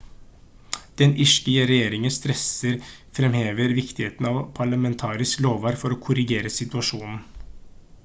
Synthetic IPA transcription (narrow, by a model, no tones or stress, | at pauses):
d̪̥ɛnʔɪʂkəəɾɛjeːɾɪŋəst̪ɾɛsəɾ | fɾɛmheːʋəɾʋɪkt̪ɪheːt̪n̩ɑːʋpʰɑɭəmɛnt̪ʰɑːɾɪskloːʋɑːɾfɔɾoːkʰʊɾɪɡeːɾəsɪt̪ʉɑʂuːnn̩